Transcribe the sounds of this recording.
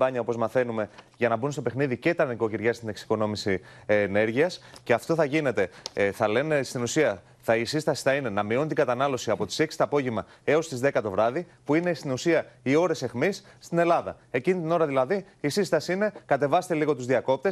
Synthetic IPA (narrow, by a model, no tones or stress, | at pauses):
bɐɲɐopo̞zmɐθe̞nume̞jʝɐnɐbunst̪o̞pe̞xniðice̞t̪ɐɾniko̞ciɾʝɐst̪ine̞ksi̥ko̞no̞misine̞ɾʝiɐsce̞ɐft̪o̞θɐʝine̞t̪e̞θɐle̞ne̞st̪inusiɐ | θɐisist̪ɐsi̥θɐine̞nɐmio̞nt̪iŋɡɐt̪ɐnɐlo̞siɐpo̞t̪i̥se̞ksi̥t̪ɐːpo̞ʝemɐ | e̞o̞st̪izðe̞kɐt̪o̞vɾɐðipuine̞st̪inusiɐio̞ɾe̞se̞xmisːt̪ine̞lɐðɐ̰ | e̞cinit̪ino̞ɾɐðilɐði | isist̪ɐsiine̞kɐt̪e̞vɐst̪eliɣo̞t̪uzðiɐko̞p̚t̪es